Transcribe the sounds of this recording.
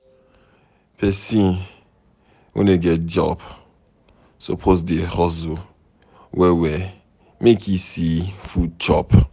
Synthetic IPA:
pʰɛsĩn | wʔḛneɡɛt̚d͡ʒɔ̰b | so̰pʰozdehɔzʊ | wɛwe | mekʰisifut͡ʃɔ̰p

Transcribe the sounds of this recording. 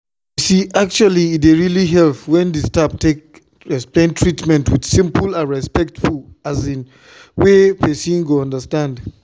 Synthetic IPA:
jisiʔak̚t͡ʃualiideɹiliɦɛlpwɛ̃ndistaptek̚ | ɹɛsplẽntʰɹitmɛ̃ntwid̥sĩmpulãnɹɛspɛk̚tfulazĩn | wepʰɛsĩŋɡoɔ̃ndəstãnd

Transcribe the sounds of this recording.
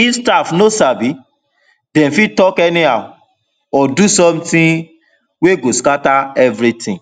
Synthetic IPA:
istafnosabi | dɛ̃mfitɔkɛnĩa | ɔdusɔ̃mtĩ | weɡoskataɛvɾitĩ

